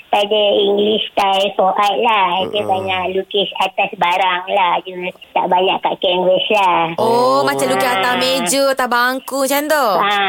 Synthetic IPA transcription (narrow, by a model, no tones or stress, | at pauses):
padəiŋɡlist̪ajfoʔat̪̚lahad͡ʒəbaɲaʔlukisat̪asbaɾaŋlahd͡ʒut̪a̰ʔbaɲaʔka̰ʔkɛŋwɛslahʔomat͡ʃalukisat̪amed͡ʒət̪abaŋkut͡ʃant̪oa